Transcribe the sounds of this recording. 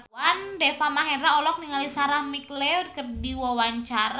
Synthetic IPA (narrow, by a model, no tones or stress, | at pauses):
andɛfamaɦɛɾaɔlɔk̚niŋalisaɾahmiklɛkərdiwɔwaɲt͡ʃaɾ